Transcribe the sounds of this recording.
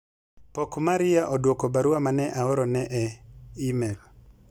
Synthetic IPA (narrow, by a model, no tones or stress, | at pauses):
pɔkmaɾɪjaʔɔdwokobaɾuwamanɛʔaɔɾɔnɛʔɛimɛl